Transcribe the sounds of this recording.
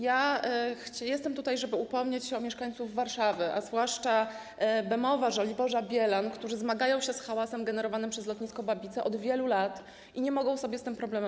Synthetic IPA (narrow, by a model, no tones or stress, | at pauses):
jaxt͡ɕjɛst̪ɛmt̪ut̪ajʐɛbɘupɔmɲet͡ɕɕɛɔmʲjɛʂkaɲt̪suvːaɾʂavʲɘʔazvwaʂt͡ʂa | bɛmɔvaʐɔlʲibɔʐabʲjɛlankt̪uʐɘzmaɡajɔ̃w̃ɕɛsxawasɛmɡɛnɛɾɔvanɘmpʂɛzlɔt̪ɲiskɔbabʲit̪sɛʔɔd̪vʲjɛlulat̪ | ʔiɲɛmɔɡɔ̃w̃sɔbʲjɛst̪ɘmpɾɔblɛmɛ